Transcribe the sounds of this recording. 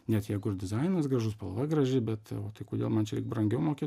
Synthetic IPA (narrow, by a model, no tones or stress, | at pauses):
nʲɛt̪jɛɪɡʊɪrd̪ʲɪzɐɪnɐsɡrɐʒʊspɐlˠʋɐɡrɐʒʲɪbʲɛt̪oːt̪ɐɪkoːd̪ʲeːlˠmɐnt͡ʃʲɛɾʲɪkbrɐŋʲɡʲɛʊmoːkʲeː